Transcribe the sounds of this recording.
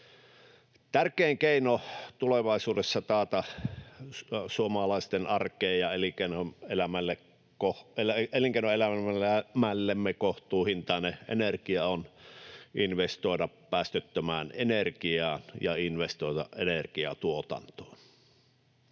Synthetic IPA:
t̪ærkeːŋkeˑinot̪uleʋɑˑisuːdesːɑt̪ɑːt̪ɑ | suomɑlɑˑist̪enɑrkˑeːjjɑelikenoelæmælːek | kohelæeliŋkeˑinoelææmælːemːekoht̪uːhint̪ɑˑneʔḛnerkiɑon | inʋest̪oˑedɑppæːst̪øt̪ːømæːnenerkiɑːnjɑ̰inʋest̪oˑet̪ɑ̰ʔʔenerkiɑ̰t̪uot̪ɑ̰nt̪o̥ːn

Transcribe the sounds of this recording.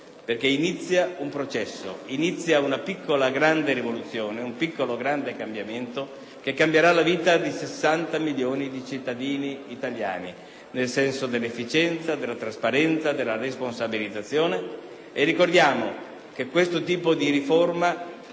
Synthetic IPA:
perk̟einit̪sːjaumpɾot͡ʃɛsːo̰init̪sːjaunapikːolaɡɾand̪eɾivolut̪sːjoːneumpikːoloɡɾand̪ekambjament̪o | k̟ekːambjeɾalaviːt̪ad̪isesːant̪amiljoːnid̪it͡ʃit̪ːad̪iːniːt̪alja̰ːni | nelsɛnsod̪elːefːit͡ʃɛnt̪sad̪elːat̪ɾaspaɾɛnt̪sad̪elːaresponsabilid̪zːat̪sːjoːneː | rːikord̪jaːmo | k̟ekːwest̪ot̪iːpod̪iɾiforma

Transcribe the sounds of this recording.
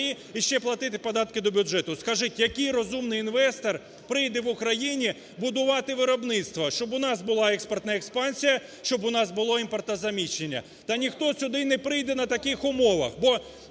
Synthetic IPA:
ji | iʃt͡ʃɛplˠɐt̪ɪt̪ɪpɐd̪ɑt̪kɪd̪ɔbʲʊʒɛt̪ʊskɐʒɪtʲjɐkɪjrɔzumnɪjinʋɛst̪ɔr | pɾɪjd̪ɛʋʊkɾɐjinʲi | bʊd̪ʊʋɑt̪ɪʋɪɾɔbnɪt̪st̪ʋɐʃt͡ʃɔbʊnɑsbʊlˠɑɛkspɐrt̪nɐɛkspɑnʲsʲijɐ | ʃt͡ʃɔbʊnɑsbʊlˠɔimpɔrt̪nɐzɐmʲit͡ʃːenʲːɐ̰ | t̪ɐnʲixt̪ɔsʲʊd̪ɪnɛpɾɪjd̪ɛnɐt̪ɐkɪxʊmɔʋɐ̰xbɔ

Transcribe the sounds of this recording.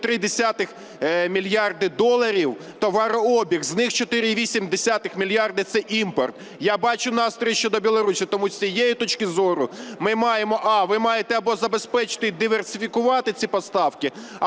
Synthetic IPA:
t̪ɾɪd̪esʲat̪ɪx | mʲilʲjɑrd̪ɪd̪ɔlˠːɐɾʲiw | t̪ɔʋɑɾɔɔbʲiɣznɪxt͡ʃɔt̪ɪɾʲɪiʋʲisʲimd̪esʲat̪ɪxmʲilʲjɑrd̪ɪt̪sɛʔimpɔrt̪ | jabɑt͡ʃʊnɑst̪ɾʲɔjiʃt͡ʃɔd̪ɔbʲilˠɔɾusʲit̪ɔmusʲijɛjʊt̪ɔt͡ʃkɪzɔɾʊmɪmɑjemɔʔɑʋɪmɑjet̪ɛɐbɔzɐbe̞spɛt͡ʃɪ̥t̪ɪd̪ɪʋersʲɪfʲikʊʋɑt̪ɪt͡sʲipɔst̪ɑwkɪ

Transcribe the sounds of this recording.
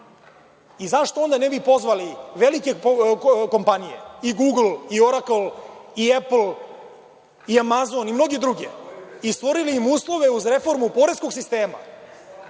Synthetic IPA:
izaʃt̪o̞o̞nd̪anebipo̞zʋaliʋelike̞ | ko̞mpanijḛiɡuːɡlioɾaklˠiepl | iamazonimno̞ɡed̪ɾuɡḛist̪ʋo̞ɾiliːmuːslˠo̞ʋe̞uzɾe̞fo̞ɾmupoɾesko̞ɡsist̪e̞ːma̰

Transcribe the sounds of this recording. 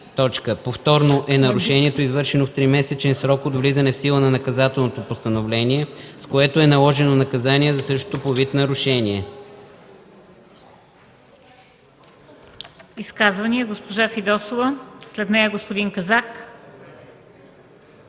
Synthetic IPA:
t̪ɔt͡ʃkəpoft̪ɔɾnoʔɛnɐɾuʃɛniɛt̪oizvɤɾʃɛnoft̪ɾimɛsɛt͡ʃɛnsɾɔkod̪vlizɐnɛfsilˠənɐnɐkɐzat̪ɛlˠnot̪opost̪ənovlɛniɛskoɛt̪oɛnɐlˠɔʒɛnonɐkɐzaniɛzɐsɤʃt̪o̥t̪opovit̪nɐɾuʃɛniɛ | iskazvɐnʲiɛɡospoʒafid̪ɔsovəslɛd̪nɛjəɡospod̪iŋkɐzak

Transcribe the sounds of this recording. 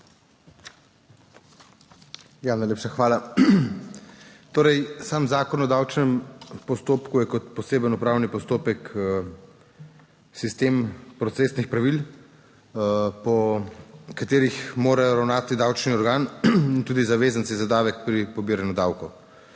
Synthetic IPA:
janajleːpʃaxʋaːla | t̪oːɾɛjsaːmzaːkɔnɔd̪aːwt͡ʃnɛmpɔst̪oːpkujɛkɔt̪pɔseːbənupɾaːwnipɔst̪oːpɛk | sist̪eːmpɾɔt̪seːsnixpɾaʋil | pɔ | kat̪eːɾixmoːɾajɔɾawnaːt̪id̪awt͡ʃniɔɾɡaːnint̪uːd̪izaʋeːzənsizad̪aːʋɛk̚pɾipɔbiːɾanud̪aːwkɔ

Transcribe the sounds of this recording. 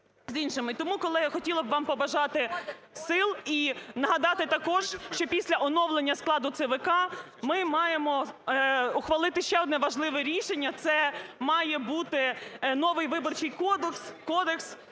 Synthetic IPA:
zinʃɪmɪt̪ɔmukɔlˠɪjɐxɔtʲilˠɐbʋɑmpɔbɐʒɑt̪ɪ | sɪlˠinɐɦɐd̪ɑt̪ɪt̪ɐkɔʒ̥ʃt͡ʃɔpʲisʲlʲɐʔɔnɔwlˠenʲːɐsklˠɑd̪ʊt̪sɛʋɪkɑ | mɪmɑjemɔ | ʊxʋɐlˠɪt̪ɪʃt͡ʃɛɔd̪nɛʋɐʒlˠɪʋɛɾʲiʃenʲːɐt̪sɛmɑjɛbut̪ɪnɔʋɪjʋɪbɔrt͡ʃɪjkɔd̪kskɔd̪eks

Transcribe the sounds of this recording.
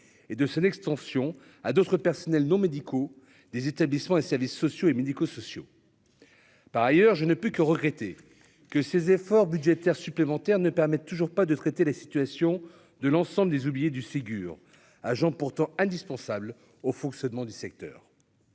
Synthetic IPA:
ed̪əsɔ̃nɛkst̪ɑ̃sjɔ̃ | ad̪ot̪χəpɛʁsɔnɛlnɔ̃med̪ikʰo | d̪ezet̪ablismɑ̃esɛʁvisːɔsjoemed̪ikosɔsjo | paʁajœʁʒənəpykəʁəɡʁɛt̪e | kəsezefɔʁbyd̪ʒet̪ɛʁsyplemɑ̃t̪ɛʁnəpɛʁmɛt̪ːuʒuʁpad̪ət̪χet̪elasi̥t̪ɥasjɔ̃ | d̪əlɑ̃sɑ̃bləd̪ezublijed̪ysiɡʲy̰ːʁ | aʒɑ̃puʁt̪ɑ̃ɛ̃d̪ispɑ̃sabl | ofɔ̃ksjɔnmɑ̃d̪ysɛk̚t̪œ̰ːʁ

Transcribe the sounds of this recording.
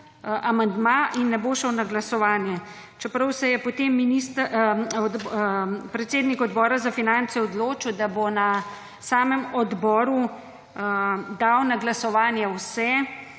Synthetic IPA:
ʔamand̪maʔinːɛboːʃəwnaɡlasɔʋaːnjɛ | t͡ʃɛpɾɐwsɛjɛpɔt̪eːmːinist̪ | d̪ | pɾɛt̪seːd̪nikɔd̪bɔːɾazafinant̪sɛɔd̪loːt͡ʃiwd̪abona | saːmɛmɔd̪bɔːɾu | d̪awnaɡlasɔʋaːnjɛwsɛ

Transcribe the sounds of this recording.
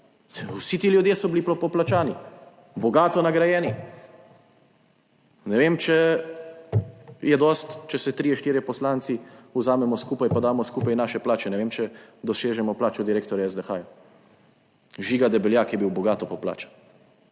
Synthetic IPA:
wsit̪iːljud̪jeːsɔbiliplɔpɔplat͡ʃaːni | bɔɡaːt̪ɔnaɡɾajɛːni | nɛʋeːmt͡ʃɛ | jɛd̪ɔst̪t͡ʃɛsɛt̪ɾijɛʃt̪iːɾjɛpɔslant̪siuzaːmɛmɔskuːpajpad̪aːmɔskupajnaːʃɛplaːt͡ʃɛnɛʋeːmt͡ʃɛd̪ɔseːʒɛmɔplaːt͡ʃɔd̪iɾeːkt̪ɔɾjaɛzd̪ɛxaja | ʒiːɡad̪ɛbɛljakjɛbiwbɔɡaːt̪ɔpɔpla̰ːt͡ʃḁ

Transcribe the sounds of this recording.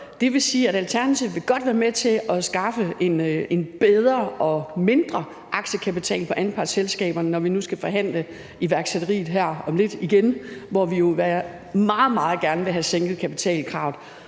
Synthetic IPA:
d̥e̝ʋe̝siːæɾælt͡sʰæɐnæt͡sʰiʊ̰ʋe̝ɡ̥ɒ̽d̥ʋæːɐmet͡sʰe̝ɒ̽sɡ̥ɑ̈fəe̝ne̝nb̥eð̞ˠɐʔɒ̽me̝nd̥ʁɐ | ʔɑ̈ɡ̥ɕəkʰæpit͡sʰɛ̰ːlpʰɒ̽ʔænpʰɑ̈ɡ̥selsɡ̥ɛ̰ːb̥ɐnənɒʋinusɡ̥æfɒ̽ɦæn̰lə | iʋæɐɡ̥sed̥ɐʁḭːð̩ˠɦæɐ̰ɒ̽mle̝d̥iɡ̥enʋɒʋijo̝ʋæ | mɑ̈ːð̞̩ˠmɑ̈ːð̩ˠɡ̥æɐnəʋe̝ɦæseŋ̰ɡ̥ð̞̩ˠkʰæpit͡sʰɛ̰ːlkʰʁɑ̈ʊ̰dˠ

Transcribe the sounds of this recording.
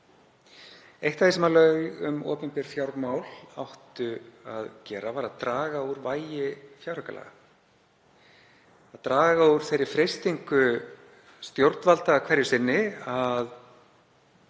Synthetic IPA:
ejht̪aθesɛmalœjʏmɔ̰ːpʏmpɛɾ̥fjawɾmaːwla̰wht̪ʏaðcɛːɾavaɾaðt̪ɾaːɣauɾvaːjɪfjawɾhœkala̰ɣa | aðt̪ɾaːɣauɾ̥θejɾːɪɾfɾejst̪iŋkʏ | st̪jowɾt̪nvalt̪akʰvɛɾjʏsɪnːɪað

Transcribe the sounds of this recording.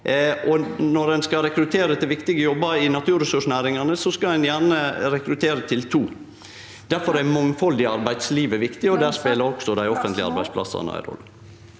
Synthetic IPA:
ʔɔnɔɾɛnskɑɾɛkɾʉt̪ʰeːɾət̪ʰɪlʋɪkt̪ɪɡəjɔbːəɾɪnɑt̪ʰʉːɾəsʉʂnæːɾɪŋɑnəsɔskɑɛnjæɳəɾɛkɾʉt̪ʰeːɾət̪ʰɪlt̪ʰuː | d̪̥æɾfɔɾæmɔŋfɔld̪ɪɑɾbæɪd̪̥sliːʋəʋɪkt̪ɪɔd̪æːspeːləɾɔksɔd̪æɪɔfənt̪lɪɑ̰ɾbæɪdspʰlɑ̰sɑ̰næ̰ɪɾɔ̰lːə

